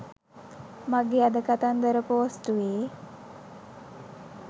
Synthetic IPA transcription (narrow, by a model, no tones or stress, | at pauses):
maɡead̪əkat̪and̪əɾəpoːsʈuʋeː